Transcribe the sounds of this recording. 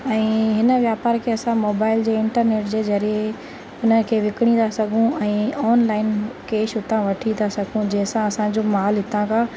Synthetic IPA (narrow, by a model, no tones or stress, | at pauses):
ɛ̃ːɦɪnə̆ʋjaːpaːɾkʰeːɐsãmoːbaːɪld͡ʑeːɪ̃ɳʈəɾneːʈd͡ʑeːzɐɾije | ʊnəkʰeːʋɪkɪɽ̃ĩnd̪asɐɡʱũɛ̃ːɔːnlaːɪnkeːʃʊt̪ãʋɐʈʰid̪asɐɡʱũd͡ʑɛ̃ːɪ̃sãɐsãd͡ʑoːmaːlɦɪt̪ʰãkʰãː